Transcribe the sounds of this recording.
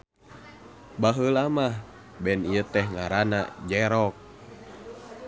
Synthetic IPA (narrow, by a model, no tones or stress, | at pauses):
baɦəlamah | bɛnijət̪ɛhŋaɾana̰d͡ʒɛɾɔk̚